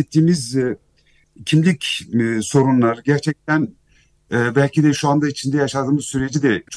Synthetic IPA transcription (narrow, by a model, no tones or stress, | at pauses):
ɛt̪ʰːiːmiz | cʰimlʲicso̞ɾunlˠaɾɟæɾt͡ʃʰɛc̚t̪ʰæn | bælʲcʰid̪ɛʃuand̪ait͡ʃʰind̪ɛjaʃad̪ɯːmɯzsyɾe̞d͡ʒid̪ɛt͡ʃʰ